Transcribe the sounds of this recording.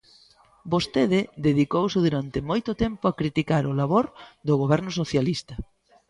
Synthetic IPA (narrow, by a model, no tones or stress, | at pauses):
bost̪eðɪd̪eðikowsɪðuɾant̪ɪmojt̪ʊt̪ɛmpʊakɾit̪ikaɾʊlaβoɾd̪ʊɣoβɛɾnʊsoθjalist̪ɐ